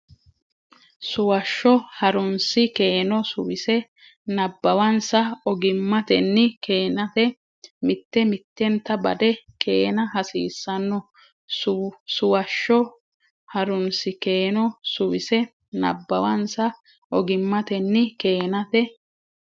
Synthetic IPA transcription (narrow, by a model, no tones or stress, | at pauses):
sʊwɐʃːɔhɐɾʊnsɪke̞ːnɔsʊwɪsɛ | nɐbːɐwɐnsɐɔɡɪmːɐt̪ɛnːɪkeːnɐt̪ɛ | mɪt̪ːɛmɪt̪ːɛnt̪ːɐbɐ̰d̪ɛkʰeːnɐɦɐsḭːsːɐnːɔ | sʊsʊwɐʃːɔ | hɐɾʊnsɪke̞ːnɔsʊwɪsɛ | nɐ̰bːɐwɐnsɐ | ɔɡɪmːɐt̪ɛnːɪkeːnɐt̪ɛ